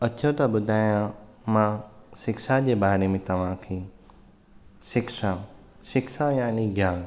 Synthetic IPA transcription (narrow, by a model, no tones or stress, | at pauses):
ɐt͡ɕʰõt̪ɐbʊd̪ʱaːjã | mãsɪkʃad͡ʑebaːɽemẽt̪ɐʋ̤ãkʰeː | ʃɪkʃa | ʃɪkʃajaːniɡjaːn